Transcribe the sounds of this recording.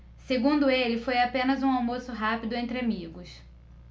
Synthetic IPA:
seɡũnd̪ʊelɪfojapẽnɐzũawmosʊɦapid̪ʊẽnt̪ɾɪamiɡʊs

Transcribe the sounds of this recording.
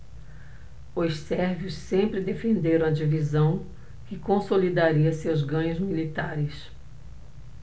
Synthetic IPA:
ʊssɛɾviʊssẽmpɾɪd̪efẽnd̪eɾɐ̃w̃ɐd͡ʒivizɐ̃w̃ | kɪkõsolid̪aɾiɐsewzɡɐ̃ɲʊzmilit̪aɾɪs

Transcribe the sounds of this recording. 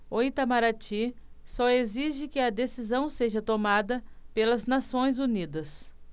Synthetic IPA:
oit̪amaɾat͡ʃi | sɔeziʒɪkɪɐd̪esizɐ̃w̃seʒɐt̪omad̪ɐpelɐznasõj̃zunid̪ɐs

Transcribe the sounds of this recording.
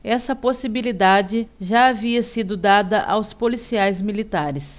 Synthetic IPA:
ɛsɐposibilid̪ad͡ʒɪʒaːviɐsid̪ʊd̪ad̪ɐʔawspolisiajzmilit̪aɾɪs

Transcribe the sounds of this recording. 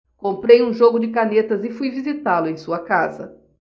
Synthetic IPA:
kõmpɾejũʒoɡʊd͡ʒɪkanet̪ɐzɪfujvizit̪alʊẽj̃suɐkazɐ̰

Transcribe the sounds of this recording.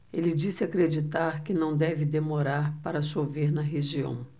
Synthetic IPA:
elɪd͡ʒisɪakɾed͡ʒit̪aɾkɪnɐ̃w̃d̪ɛvɪd̪emoɾaɾpaɾɐsoveɾnɐɦeʒiɐ̰̃w̃

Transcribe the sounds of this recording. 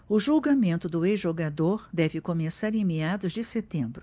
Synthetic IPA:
ʊʒulɡamẽnt̪ʊd̪ʊezʒoɡad̪oɾd̪ɛvɪkomesaɾẽj̃mead̪ʊzd͡ʒɪset̪ẽmbɾʊ

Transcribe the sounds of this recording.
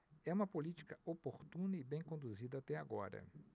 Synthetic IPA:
ɛũmɐpolit͡ʃi̥kɐopoɾt̪ũnɐɪbẽj̃kõnd̪uzid̪ɐat̪ɛaɡɔɾɐ̰

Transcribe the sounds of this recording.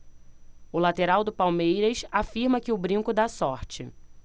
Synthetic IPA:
ʊlat̪eɾawd̪ʊpawmejɾɐsafiɾmɐkɪʊbɾĩŋkʊd̪asɔɾt͡ʃɪ̰

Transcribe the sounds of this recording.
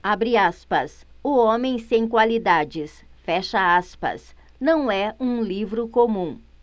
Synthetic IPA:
abɾiaspɐs | ʊõmẽj̃sẽj̃kwalid̪ad͡ʒɪsfɛʃɐaspɐ̰s | nɐ̃w̃ɛũlivɾʊkomũ

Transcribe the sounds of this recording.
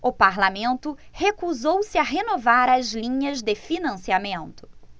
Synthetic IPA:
ʊpaɾlamẽnt̪ʊhekuzowsɪɐɦenovaɾɐzlĩɲɐzd̪ɪfinɐ̃siamẽnt̪ʊ̥

